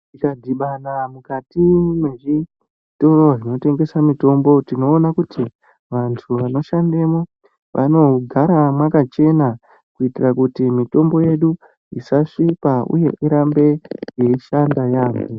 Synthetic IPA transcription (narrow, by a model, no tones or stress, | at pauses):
ikadʱiɓanamukatime̞ʐi | to̞ro̞ʐino̞te̞ŋɡe̞samito̞mbo̞tino̞ːnakuti | ʋantʰuʋano̞ʃandemo | ʋʔa̰no̞ɡʱaɾamwakat͡ʃe̞na | kuitirakutimito̞mbo̞je̞ɗu | isaʂipaṵje̞ʔiɾambe̞je̞iʃandajaːme